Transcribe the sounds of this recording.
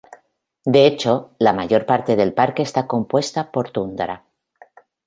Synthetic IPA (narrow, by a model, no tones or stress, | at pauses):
d̪eet͡ʃo̞lamaʝo̞ɾpaɾt̪e̞ð̞e̞lpaɾke̞ːst̪ako̞mpwe̞st̪apo̞ɾt̪und̪ɾa